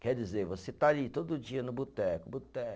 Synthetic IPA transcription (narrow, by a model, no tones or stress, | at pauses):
kɛɾd͡ʒizeɾvoset̪aalit̪od̪ʊʊd͡ʒiɐnʊbut̪ɛkʊbut̪ɛʊ